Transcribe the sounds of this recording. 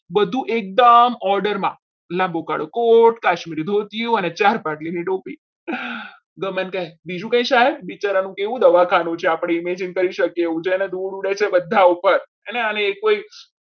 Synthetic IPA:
bəd̪ʱũʔek̚d̪əmɔɾɖəɾmã̰ | lãmbokaɽokoʈkaʃmiɾid̪ʱot̪ijũənet͡ʃaɾpaʈliniʈopi | ɡəmənkəɦebid͡ʒũkə̃ĩʃaɦeɾbit͡ʃaɾanũkeʋũd̪əʋakʰanũt͡ʃʰeapɽ̃eimed͡ʒənkəɾiʃəkeʋũt͡ʃʰened̪ʱuɽuɽet͡ʃʰebəd̪ʱːaupəɾ | eneaneːkːoi

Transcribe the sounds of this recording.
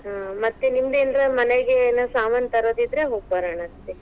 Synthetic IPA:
ɦamɐt̪ːenimd̪eːnd̪ɾɐmɐneɡenɐsaːmɐnt̪ɐɾod̪id̪ɾeɦoːɡ̚bɐɾaɳɐst̪ːe

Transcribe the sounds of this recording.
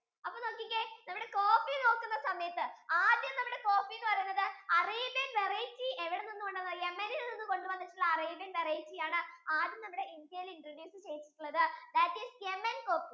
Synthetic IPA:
ɐpːoːno̞ːkːikʲːenɐmːuɽe̞ko̞ːfino̞ːkːunːɐsɐmɐjɐt̪ːɨaːd̪jɐmnɐmːuɽe̞ko̞ːfilːɨpɐrɐjunːɐðɨɐriːbjɐnʋereːtːieʋiɽɐninːukoɳɖɐnːɐðemːenilninːuko̞ɳɖɨbɐnːit͡ɕːulːɐːriːbɐnʋerejt͡ɕːijaːɳɨaːd̪jɐmnɐmːuɽe̞ʔind̪jɐjiliɳɖɐneːnsɨt͡ɕe̞jit͡ɕːi̥ʈːuɭːɐðɨd̪ɐʈiːsemːenko̞ːpi

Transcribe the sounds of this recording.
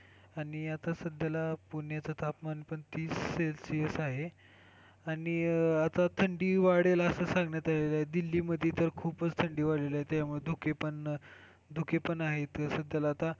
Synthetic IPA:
aɽ̃iat̪asəd̪jalapuɳjat͡sat̪ʰapmanipəɳt̪iːsːelsijəsaɦe | aɽiat̪at̪ʰəɳɖiːʋaɽelaəsəsãŋɡɳjat̪aleləaɦed̪ilːiːməd̪ʱjet̪əɾkʰuːpət͡st̪ʰəɳɖiːʋaɭelaɦet̪jamuɭed̪ʱukʰepəɳ | d̪ʱukʰepəɳaɦet̪əsəd̪ʱjalaːt̪a

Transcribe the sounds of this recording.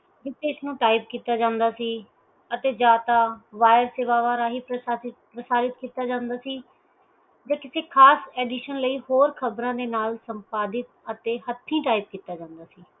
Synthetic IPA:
d͡ʒɪt̪ʰːeːɪsnũːʈaːɪp̚kiːt̪aːd͡ʒãːnd̪aːsiː | ət̪eːd͡ʒaːt̪aːʋaːjəɾseːʋaːʋaːɾaːɦiːpɾpɾəsaːɾɪt̪kiːt̪aːd͡ʒãːnd̪aːsiː | d͡ʒaːkɪseːkʰaːsɛːɖiːʃənləiːhoːɾkʰəbɾãːd̪eːnaːlsəmpaːd̪ɪt̪̚ət̪eːɦət̪ʰːĩːʈaːib̚kiːt̪aːd͡ʒãːnd̪aːsiː

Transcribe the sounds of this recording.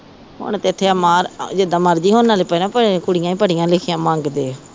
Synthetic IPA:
ɦʊ̰ɳ̃t̪eɪt̪ʰːeːəmaːɾd͡ʒɪd̪ãːməɾd͡ʒiːɦoːnːaːleːpənãːpəkʊɽɪjãːĩːpəɽɪjãːlɪkʰɪjãːmə̃ŋɡd̪eː

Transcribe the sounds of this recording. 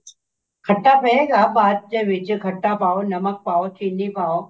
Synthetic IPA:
ɡʱɐʈapɛeːɡaːbaːd̪̚d͡ʑeːʋɪd͡ʑɪɡʱɐʈːapaːonɐmək̚paːot̪ʰiːnipaːo

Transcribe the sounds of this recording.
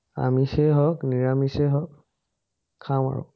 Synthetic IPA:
a̰misɛɦɔkniɹamisɛɦɔk̚ʰː | ama̰ɹʊ̰

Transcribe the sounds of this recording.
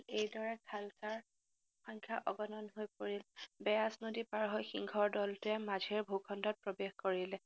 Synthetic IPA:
ejdɔɹakʰalkaɹ | xɔŋkʰjaʔɔɡɔnɔnɦojpoɹilbɛjasnodipaɹɦɔjxiŋɡʱɔɹdɔltʊɛmazʱeɹbʱukʰɔndɔt̚pɹobexkoɹilɛ

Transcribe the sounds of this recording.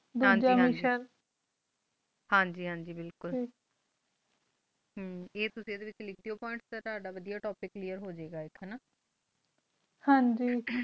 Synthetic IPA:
d̪uãːɲd͡ʒaiːmɦiːʃəɾ | hãːɲd͡ʒiːɦãːɲd͡ʒiːbɪlkʊlː | ɦeːt̪ʊsĩd̪eːʋɪt͡ʃlɪkʰd̪ijoːpɔ̃ːɪ̃ɳʈst̪eːt̪oaːɖaːʋəd̪ijaːʈoːpɪkːliːjəɾɦoːd͡ʒeːɡaːɪkʰɛnaː | hãːɲd͡ʒiː

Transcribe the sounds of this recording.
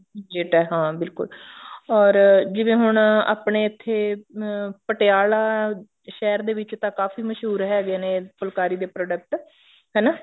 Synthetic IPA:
d͡ʒɪʈɛːɦãːbɪlkʊ̰lɔːɾd͡ʒɪʋẽːɦʊɳa̰ːpɳeːɪt̪ʰːeː | pəʈeaːlaː | ʃɛːɾd̪eːʋɪt͡ʃt̪ãːkaːfiːməʃɦuːɾɦɛːɡeːneːpʊlkaːɾiːd̪eːpɾoːɖək̚ʈ | ɦɛːnaː

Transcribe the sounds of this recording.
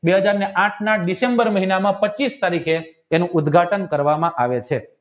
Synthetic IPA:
beɦəd͡ʒaɾneʔãʈʰnaɖisembəɾməɦinamãpət͡ʃːist̪aɾikʰeː | nũʔʊd̪ɡʱaʈənkəɾʋamãʔaʋet͡ʃʰe

